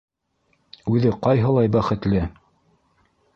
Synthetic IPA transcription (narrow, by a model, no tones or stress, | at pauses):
ʉðɘqɑjɦɤ̆lˠɑjbæχɘ̆t̪lɘ